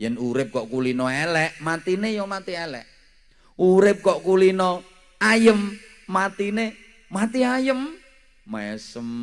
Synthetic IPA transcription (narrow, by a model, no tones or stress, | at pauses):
jɛnuɾɪp̚kɔʔkulinɔelɛʔmat̪inejɔmat̪ielɛʔ | uɾɪp̚kɔʔkulinɔ | ajəmː | at̪ine | mat̪iajəm | maɛsəm